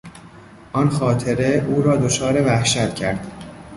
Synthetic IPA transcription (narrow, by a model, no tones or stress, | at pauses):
ʔɒnxɒːt̪ʰe̞ɾe̞ʔuːɾɒːd̪ot͡ʃʰɒːɾe̞væhʃæt̪cʰæɾd̪̥